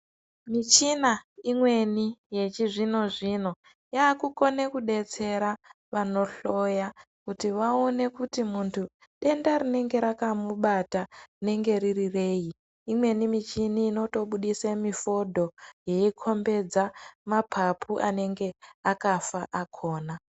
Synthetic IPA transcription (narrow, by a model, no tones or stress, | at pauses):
mit͡ʃinaimwe̞nije̞t͡ʃiʐino̞ʐino̞ | jaːkuko̞ne̞kuɗe̞t͡se̞ɾa | ʋano̞ɬo̞ja | kutiʋao̞ne̞kutimuntʰu | ɗe̞ndaɾine̞ŋɡe̞ɾakamuɓatane̞ŋɡe̞ɾirire̞ːji | imwe̞nimit͡ʃiniːno̞to̞ɓuɗisemifo̞dʱo̞jeikʰo̞mbe̞d͡zamapʰapʰuʔane̞ŋɡe̞akafaʔakʰo̞ːna